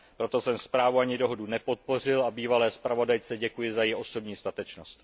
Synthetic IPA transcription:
pɾo̞t̪o̞sɛmspɾaːvuaɲɪdo̞ɦo̞dunɛpo̞t̪̚po̞r̝ɪlabiːvalɛːspɾavo̞dajt͡sɛɟɛkujɪzajɪʔo̞so̞bɲiːst̪at̪ɛt͡ʃno̞st̪

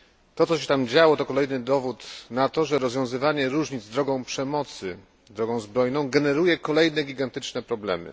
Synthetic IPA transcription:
t̪ɔt̪sɔɕɛt̪amd͡ʑawɔt̪ɔkɔlɛjnɘd̪ɔvut̪nat̪ɔʐɛɾɔzvʲjɔ̃w̃zɘvaɲɛɾuʐɲid̪zd̪ɾɔɡɔ̃w̃pʂɛmɔt̪sɘ | d̪ɾɔɡɔ̃w̃zbɾɔjnɔ̃w̃ɡɛnɛɾujɛkɔlɛjnɛɡʲiɡant̪ɘt͡ʂnɛpɾɔblɛ̰mɘ̰

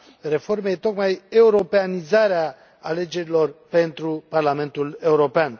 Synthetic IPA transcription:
re̞fo̞rme̞jt̪o̞kmaje̞uɾo̞peanizaɾea | ale̞d͡ʒe̞ɾilo̞rpe̞nt̪ɾuparlame̞nt̪ule̞uɾo̞pean

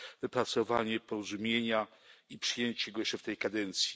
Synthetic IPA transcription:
vɘpɾat̪sɔvaɲɛpɔɾɔzumʲjeɲaipʂɘjeɲt͡ɕɛɡɔjɛʂt͡ʂɛft̪ɛjkad̪ɛnt̪sʲji̥

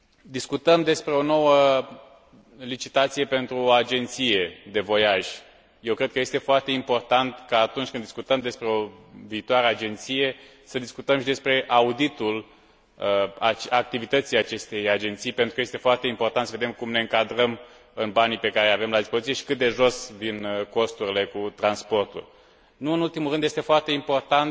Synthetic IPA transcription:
d̪iskut̪əmd̪e̞spɾe̞o̞no̞wə | lit͡ʃit̪at̪sije̞pe̞nt̪ɾuoad͡ʒe̞nt̪sije̞d̪e̞vo̞jaʒʲ | je̞wkɾe̞d̪̚kəje̞st̪e̞foart̪e̞impo̞rt̪ant̪kaːt̪unt͡ʃʲkɨnd̪iskut̪əmd̪e̞spɾeoviːt̪oaɾead͡ʒe̞nt̪sije̞ | səd̪iskut̪əmʃid̪e̞spɾe̞ʔaud̪it̪ul | at͡ʃak̚t̪ivit̪ət̪sijat͡ʃe̞st̪e̞jad͡ʒe̞nt̪sijpe̞nt̪ɾukəjest̪e̞foart̪e̞impo̞rt̪ant̪səve̞d̪e̞mkumne̞ɨŋkad̪ɾəm | ɨnbanipe̞kaɾeljave̞mlad̪ispozisie̞ʃi̥kɨt̪̚d̪e̞ʒo̞svinko̞st̪uɾile̞kut̪ɾanspo̞rt̪ṵl | nuɨnult̪imulɾɨnd̪jest̪e̞foart̪e̞impo̞rt̪ant̪

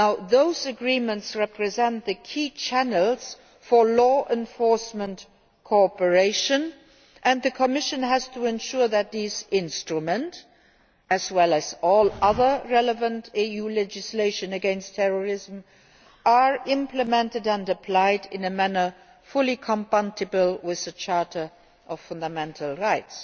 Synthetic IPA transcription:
naʊðoʊzɨɡɹĩmə̃ntsɹɛpʰɹɨzɛ̃nt̪ðɨkʰiːt͡ʃʰænəl̩ˠz̥ | fə˞lɔʔɛ̃ɱfɔɹsmə̃nt | kʰɔpə˞eɪʃɨ̃n | ʔɨ̃nðɨkʰəmɪʃɨ̃næz̥tʰəɛ̃nʃʊɹðɨt̪̚ðizɪ̃nstɹ̥əmə̃nt | ɨzwɛlˠɨzɔlʌðə˞ɹɛləvə̃ntiulɛd͡ʒɨsleɪʃɨ̃nɨɡɛ̃nstʰɛɹəɹɪzm | ʔaɹɪ̃mpləmɛ̃ntɨdə̃ndɨpʰl̥aɪdɪ̰̃nɨmænə˞ | fʊlˠikʰə̃mpãntɨbəlˠwɪðət͡ʃʰɑɹɾə˞ | ʔʌv̥fʌ̃ndəmɛ̃ntʰəl̩ˠɹaɪts

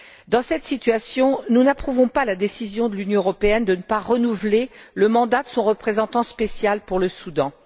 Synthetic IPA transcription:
d̪ɑ̃sɛt̪sit̪ɥasjɔ̃nunapχuvɔ̃palad̪esizjɔ̃d̪əlynjɔ̃əʁɔpeɛnd̪ənəpaʁənuvleləmɑ̃d̪ad̪əsɔ̃ʁəpχezɑ̃t̪ɑ̃spesjalpuʁləsud̪ɑ̃

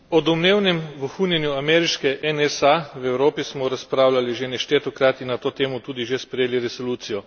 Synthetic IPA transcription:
ɔd̪ɔmneːwnɛmʋəxunjɛnjuamɛɾiʃkɛʔɛnɛsawɛwɾoːpismɔɾaspɾaːwlaliʒenɛʃt̪eːt̪ɔkɾaːt̪inat̪oːt̪eːmɔt̪uːd̪iʒespɾɛjeːliɾɛsoluːt̪sijɔ

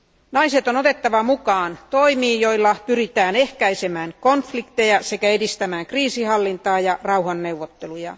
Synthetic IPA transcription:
nɑiset̪onot̪et̪ːɑʋɑmukɑːnt̪oimiːjo̞ilːɑpyrit̪æːnehkæisemæːŋkonflikt̪ejɑsekæedist̪æmæːŋkriːsihɑlːint̪ɑːjɑrɑuhɑnːeuʋːot̪ːelujɑ̰

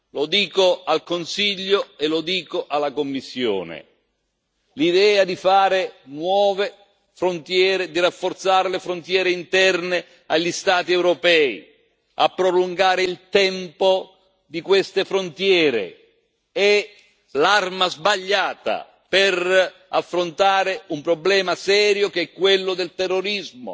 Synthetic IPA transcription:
lod̪iːkoalkonsiʎːoelod̪iːkoʔalːakomːisːjo̰ːnḛ | lid̪ɛːad̪ifaːɾɪnwɔːve | fɾont̪jɛːɾed̪irafːort̪saːɾelefɾont̪jɛːɾeint̪ɛrne | aʎːist̪aːt̪iɛwɾopɛḭ | a̰pːɾoluŋɡaːɾɪilt̪ɛmpo | d̪ikwest̪efɾont̪jɛːɾḛ | ɛ | larmazbaʎːaːt̪a̰ | pɪr | afːɾont̪aːɾeumpɾoblɛːmasɛːɾjokeɛkːwelːʊd̪elt̪ɛrːoɾizmo̰

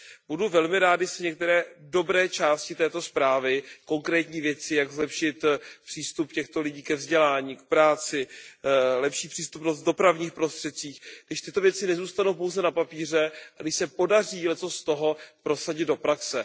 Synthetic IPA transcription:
buduvɛlmɪɾaːd̪ɪsɛɲɛk̚t̪ɛɾɛːdo̞bɾɛːt͡ʃaːscɪt̪ɛːt̪o̞spɾaːvɪko̞ŋkɾɛːt̪ɲiːvjɛt͡sɪjaɡzlɛpʃɪt̪pr̝̥iːst̪upcɛxt̪o̞lɪɟiːkɛvzɟɛlaːɲiːk̚pɾaːt͡sɪ | lɛpʃiːpr̝̥iːst̪upnost̪̚do̞pɾavɲiːxpɾo̞st̪r̥ɛt̪̚t͡siːxɡdɪʃt̪ɪt̪o̞vjɛt͡sɪnɛzuːst̪anowp̬o̞wzɛnapapiːr̝ɛʔaɡdɪʃsɛpo̞dariːlɛt͡so̞st̪oɦo̞pɾo̞saɟɪd̪do̞pɾaksɛ

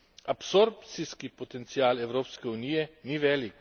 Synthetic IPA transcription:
apsoɾp̚t̪siskipɔt̪ɛnt̪siaːlɛwɾoːpskɛuniːjɛniʋɛːlik

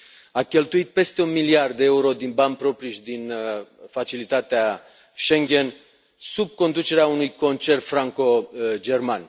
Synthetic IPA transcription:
akʲe̞lt̪uit̪̚pe̞st̪e̞unmiliard̪ːeeuɾo̞d̪inbam̚pɾo̞pɾiʃd̪infat͡ʃilit̪at̪ea | ʃe̞ŋɡʲe̞n | sub̚ko̞nd̪ut͡ʃe̞ɾeaunujko̞nt͡ʃe̞rt̪fɾaŋko̞d͡ʒe̞rman

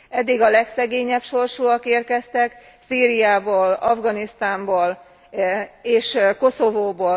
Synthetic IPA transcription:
ɛd̪ːiɡɒlɛksɛɡeːɲɛpʃo̞rʃuɒkeːrkɛst̪ɛk | siːɾijaːboːlɒvɡɒnist̪aːmboːl | eːʃko̞so̞voːboː

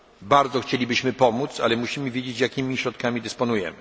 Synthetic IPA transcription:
baɾd̪zɔxt͡ɕelʲibɘɕmɘpɔmut̪sa̰lɛmuɕimɘvʲjed͡ʑet͡ɕjakʲimʲiɕɾɔt̪̚kamʲid̪ɘspɔnujɛ̰mɘ

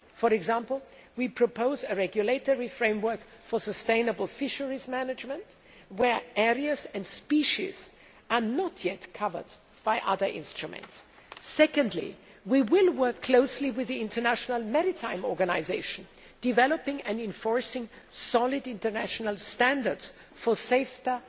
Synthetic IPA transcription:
fɔɹɛɡzæ̃mpl̩ˠwipʰɹ̥ɔpʰoʊzɨɹɛɡjuleɪtɔɹifɹẽɪ̃mwɜ˞k | fə˞səstẽɪ̃nəbl̩ˠfɪʃəɹizmænɨd͡ʒmə̃nt | wə˞ʔɛɹiɨzɨ̃ndspiʃḭz̥ | ʔə˞nətʰjɛtkʰʌvə̰˞d̚ | b̥aɪʔʌ̰ðə˞ʔɪ̰̃nstɹ̥umɨ̰̃ntsː | ɛkɨ̃ndˡlḭ | wiwɪlˠwɜ˞kʰːl̥oʊsliwɪðiɪ̃ntə˞næʃnəl̩ˠmɛɹɪtʰãɪ̃mɔɹɡɨnaɪzeɪʃn̩ | d̥ɨvɛləpɪ̃ŋɨ̃nɪ̃ɱfɔɹsɪ̃ŋ | sɑlˠɪdɪ̃ntə˞næʃnəl̩ˠstæ̃ndə˞dz̥ | fə˞seɪfti

